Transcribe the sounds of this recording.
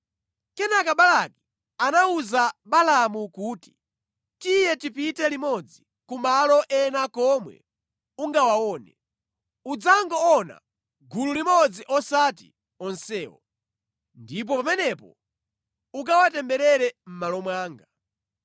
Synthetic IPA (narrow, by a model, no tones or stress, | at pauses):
kɛnakaɓalaki | anauzaɓalamukuːti̥ | tijɛtipitɛlimɔd͡zi | kumalɔʔɛnakɔmwɛ̰ | uŋɡawawɔːnɛ | ud͡zaŋɡɔɔna̰ | ɡululimɔd͡ziʔɔsat̬ḭ | ɔnsɛːwɔ̰ | ndip̬ɔpamɛnɛpɔ̰ | uk̬awatɛmbɛɾɛɾɛm̩malɔmwaːŋɡa